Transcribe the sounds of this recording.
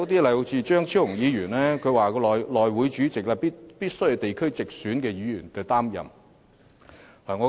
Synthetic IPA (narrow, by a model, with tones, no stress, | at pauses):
ɐ˨˧wt̪iː˥lɐ˨jht͡sʰiː˧t͡ʃœː˥ŋt͡sʰi˥wʊ˨˩ŋjiː˨˧jyː˨˩nlɛː˥kʰɵ˧ɥwaː˨˩kɔː˧lɔ˨˩jlɔː˨jwu˨˥jt͡ʃyː˨˥t͡sɪ˨k̚laː˧piː˥t̚piː˥t̚sɵ˥ɥjɐ˧t̪e˨jkʰɵ˥ɥt͡sɪ˨k̚syː˨˥nkɛː˧jiː˨˧jyː˨˩nt̪ɐ˨˩t̪aː˥mjɐ̰˨m | laː˨˩ŋɔ˨˧